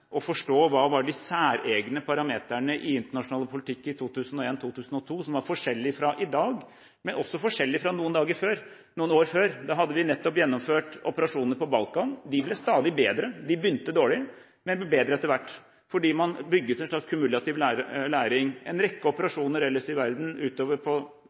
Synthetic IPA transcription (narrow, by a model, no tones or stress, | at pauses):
ʔɔfɔʂʈoːʋɑːʋɑɖɪsæːɾeːɡnəpʰɑɾɑmeːt̪æɳəʔɪɪnt̪əɳɑʂʊnɑːləpʰʊlɪt̪ʰɪkːɪt̪ʰuːt̪ʉːsən̩ɔeːnt̪ʰuːt̪ʰʉːsən̩ɔt̪ʰuːsɔmʋɑɾfɔʂɛlːɪfɾɑʔɪd̪ɑːɡ | mɛnɔsːɔfɔʂɛlːɪfɾɑnuːənd̪ɑːɡəɾføːɾ | nuːənoːɾføːɾd̪ɑɦɑd̪ːəʋɪnɛt̪ːɔpjɛnːɔmføːʈɔpəɾɑʂuːnəɾpɔbɑlkɑnd̪ɪblɛst̪ɑːd̪ɪbeːd̪ɾəd̪ɪbʏnt̪əd̪oːɭɪ | mɛnblɛbeːd̪ɾəɛt̪ːəɾʋæʈː | fɔɖiːmɑnbʏɡːəʉt̪ɛnʂlɑkskʰʉmʉlɑt̪ɪʋ̪læːɾɪŋɛnɾɛkːəɔpəɾɑʂuːnəɾɛləsɪʋæɾd̪n̩ʉːt̪oːʋəɾpʰɔ